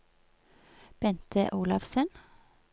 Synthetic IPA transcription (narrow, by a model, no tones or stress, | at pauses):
b̥ɛnt̪ʰəʔuːlɑfsən